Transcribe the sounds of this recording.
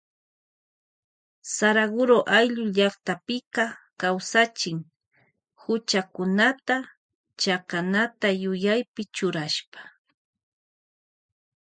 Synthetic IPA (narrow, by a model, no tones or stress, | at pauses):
saɾaɢʊɾoʔajʎʊʎɑχt̪apɪkakawsat͡ʃɪŋ | hʊt͡ʃakʊnat̪a | t͡ʃakanat̪ajʊjajpɪt͡ʃʊɾaʃpḁ